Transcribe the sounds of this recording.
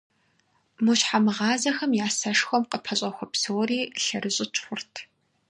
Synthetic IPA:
muɕħamɨʁɑːzɐxɐmjaːsɐʂxʷɔmqəpʰɐɕʼɐxʷɔpsoːɾiːɬɐrɨɕʼɪt͡ʃʰʼxʷʊrtʰ

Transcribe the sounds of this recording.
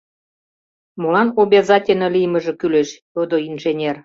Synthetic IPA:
molɑnobʲezɑtʲelʲnʲɤ̆lijmə̆ʒĕkyleʃt̪od̪oinʒenʲer

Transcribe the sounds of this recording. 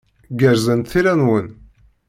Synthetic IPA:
ɡəɾzənt̪θiɾænwən

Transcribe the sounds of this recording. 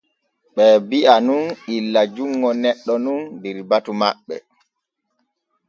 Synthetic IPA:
ɓɛbiʔanunilːad͡ʒuŋːɔnɛɗːɔnundiɾbatumaɓːɛ̰

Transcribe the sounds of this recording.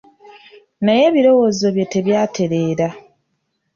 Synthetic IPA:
naje̞βiɾo̞wo̞ːzo̞βje̞te̞βjaːtʰe̞ɾe̞ːɾa

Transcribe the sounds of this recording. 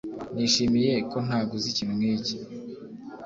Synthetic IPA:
niːʃimije̞ko̞n̥haːɡozicimŋeːci̥

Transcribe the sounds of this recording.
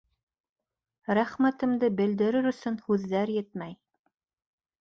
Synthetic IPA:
ɾæχmæt̪ɘ̆md̪ɘbɘ̆ld̪ɘ̆ɾɘɾɵ̆sɵnhʉðːæɾjɘt̪̚mæj

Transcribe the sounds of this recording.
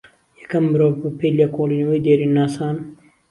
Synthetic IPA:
jɛ̥kɐmːɨɾoːvɨpeːjlekʰoːlˠinɐwejd̪eːɾinːaːsaːn

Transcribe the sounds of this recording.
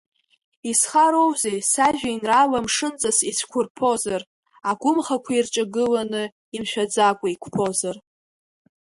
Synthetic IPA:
isχaɾo̞wzejsaʒᶣainralamʂɨnt͡sʼasisʰkʷʰʊrpʰo̞zar | aɡʷʊmχakʷʰairt͡ʃʼaɡɨlanɨ | imʃᶣad͡zakʷʼaikʷʰpʰo̞zar

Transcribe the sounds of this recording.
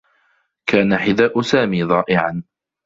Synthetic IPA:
kaːnaħɪðaːʔʊsaːmiːðˤɑːʔɪʕan

